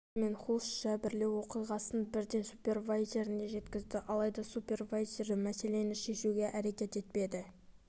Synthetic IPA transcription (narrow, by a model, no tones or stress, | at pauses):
me̞nχulˠsʒɑbɪɾle̞wo̞qijʁɑsənbɪɾd̪e̞nsupʲe̞rvajʒeɾɪne̞ʒe̞t̪kʲɪzd̪ɪʔɑlˠɑjd̪ɑsupʲe̞rvajʒeɾɪmæse̞le̞nɪʃe̞ʃuɡʲe̞ʔæɾe̞kʲe̞t̪e̞t̪̚pe̞d̪ɪ